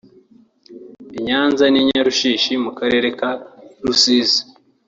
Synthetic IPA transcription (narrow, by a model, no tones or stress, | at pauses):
iɲaːnzaniɲaɾuʃiːʃimukaɾe̞ːɾe̞kaɾusiːzi̥